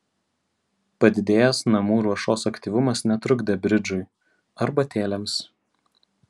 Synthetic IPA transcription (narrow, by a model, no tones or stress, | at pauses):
pɐd̪ʲɪd̪ʲeːjɛsnɐmuːɾuɔʃoːsɐkt̪ʲiːʋʊmɐsnʲɛt̪ɾʊɡd̪ʲɛbʲɾʲɪd͡ʒʊɪ | ɐɾbɐt̪ʲeːlʲɛms